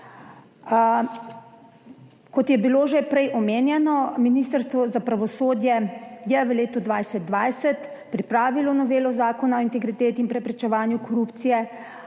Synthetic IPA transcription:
kɔt̪jɛbiloʒepɾɛjʔɔmeːnjɛnɔminiːst̪əɾst̪ʋɔzapɾaʋɔsoːd̪jɛjɛʋəleːt̪ɔd̪ʋajsɛt̪̚d̪ʋajsɛt̪ | pɾipɾaːʋilɔnɔʋeːlɔzaːkɔnaɔint̪ɛɡɾit̪eːt̪iinpɾɛpɾɛt͡ʃɛʋaːnjukɔɾupt̪sijɛ

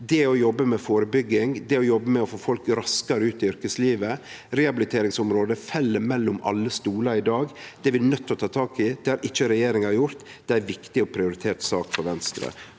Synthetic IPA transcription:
d̪ɛɔjɔbːəmɛfoːɾəbʏɡːɪŋd̪ɛɔjɔbːəmɛɔfoːfɔlkɾɑskɑɾəʉːt̪ɪʏɾkəsliːʋə | ɾɛhɑbɪlɪt̪ʰeːɾɪŋsʊmɾoːd̪əfɛlːəɾmɛlːʊmɑ̰lːəst̪uːlɑɾɪd̪ɑːɡd̪̥ɛʋɪnœt̪ʰːɔt̪ʰɑːt̪ʰɑːkɪd̪̥ɛæɾʔɪt͡ʃːəɾɛjeːɾɪŋɑɑɾjʊɾt̪ | d̪̥ɛæɾʋɪkt̪ɪɔpʰɾɪʊɾɪt̪ʰeːt̪sɑːkfɔɾʋɛnst̪ɾə̰

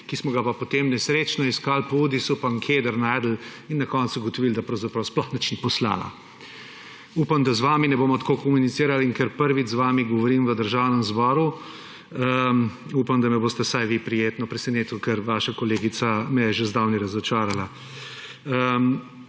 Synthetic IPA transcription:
kismɔɡapapɔt̪emnɛsɾeːt͡ʃnɔiskalpɔuːd̪isupaŋkʰed̪əɾnajd̪l̩ | inːɐkɔnt̪suɡɔt̪ɔʋild̪apɾɐwzapɾawsplɔxnat͡ʃnipɔsla̰la̰ | uːpamd̪azʋaːminɛboːmɔt̪koːkɔmunit̪siːɾaliŋkɛɾpəɾʋit͡ʃzʋaːmiɡɔʋɔɾiːmʋəd̪əɾʒawnɛmzbɔːɾu | əupamd̪amɛboːst̪ɛsajʋipɾijeːt̪nɔpɾɛsɛneːt̪ukɛɾʋaːʃakɔleːɡit̪samɛjɛʒezd̪awniɾazɔt͡ʃaːɾala | əm

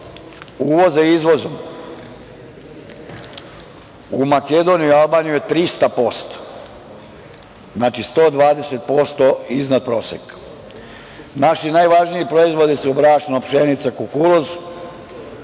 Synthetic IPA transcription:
uːʋo̞zeizʋo̞zom | umaked̪o̞nijuialˠbaːnijujet̪ɾist̪apo̞st̪o̥ | znaːt͡ʃist̪o̞ːd̪ʋaːd̪eset̪̚po̞st̪oiznad̪̚pɾo̞ːsek | naʃinaːjʋaʒnijipɾo̞izʋo̞d̪isuobɾaːʃnopʃenit̪sakukuloz

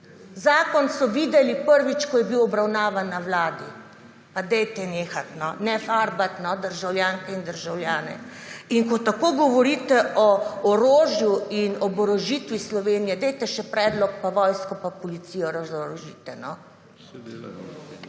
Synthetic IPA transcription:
zaːkɔnsɔʋiːd̪ɛlipəɾʋit͡ʃkɔjɛbiwɔbɾawnaːʋanːawlaːd̪i | pad̪ɛjt̪ɛneːxat̪nɔnɛfaːɾbat̪nɔd̪əɾʒawljaːŋkɛind̪əɾʒawljaːnɛ̰iŋkɔt̪akoːɡɔʋɔɾiːt̪ɛʔɔɔɾoːʒjuinɔbɔɾoʒit̪ʋislɔʋeːnijɛd̪ɛjt̪ɛʃɛpɾɛːd̪lɔk̚paʋɔjskɔpapɔlit̪siːjɔɾazɔɾoʒiːt̪ɛnɔ

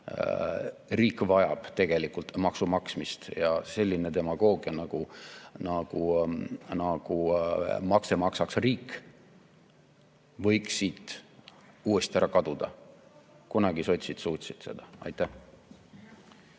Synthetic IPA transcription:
riːkːˑvɑjɑb̥t̪e̞ɡ̥e̞likːˑult̪mɑksumɑksmist̪jɑse̞lʲːinet̪e̞mɑɡ̥o̞ːɡiɑnɑɡ̥unɑɡ̥u | nɑɡ̥umɑkse̞mɑksɑksriːkːˑ | vɤ̞jksiːt̪ | uːe̞st̪iæɾɑkɑd̪̥ud̪̥ɑ̰ | kunɑɡ̥iso̞t̪ʲsit̪suːt̪ʲsit̪se̞d̪̥ɑɑ̰jt̪ːˑæh

